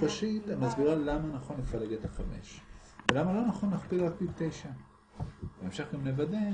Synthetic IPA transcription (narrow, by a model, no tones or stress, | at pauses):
faʃit̪amazbiʁalamanaχo̞nlefaleɡet̪aχame̞̰ʃ | velamalo̞naχo̞nlaχpilʁak̚tibt̪ejʃa | aemʃeχɡamnevad̪e